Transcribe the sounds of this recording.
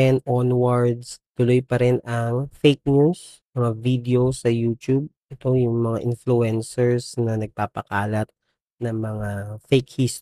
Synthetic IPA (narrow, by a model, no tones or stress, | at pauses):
ɛnʔonwɐɹd̪st̪ʊlojpɐɾɛnɐŋfejk̚nus | mɐŋavid̪ɛosɐjuːt̪jub̚ʔɛt̪o̞jʊŋmɐŋaʔɪnflʊɛnsɛɹsnɐnɐɡ̚paːpɐkaːlɐt̪̚ | nɐŋmɐŋafejkhist̪